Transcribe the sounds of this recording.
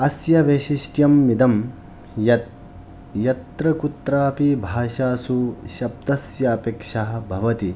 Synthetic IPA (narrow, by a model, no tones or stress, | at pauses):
ɐsjɐʋeːʃiʃʈjɐmːid̪ɐm | jɐt̪ | jɐt̪ɾɐkut̪ɾaːpibʱaːʃaːsuʃɐb̚d̪ɐsjɐːpeːkʂaɦɐ̆bʱɐʋɐt̪i